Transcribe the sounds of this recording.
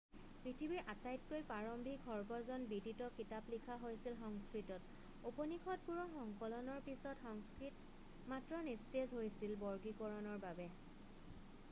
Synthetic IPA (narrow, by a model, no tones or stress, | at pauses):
pɹitʰibiɹʔatajtkojpaɹɔmbʱikɡʱɔɹbɔzɔnbiditɔkitaplikʰaɦojsilxɔŋskɹitɔt | opɔnikʰɔtkuɹɔxɔŋkɔlɔnɔɹpisɔtxɔŋskɹit | matɹɔnestezɦojsilbɔɹɡikɔɹɔnɔɹbabɛ